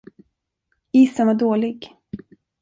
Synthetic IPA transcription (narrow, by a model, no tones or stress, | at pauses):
iːsənvaɖoːlɪɡ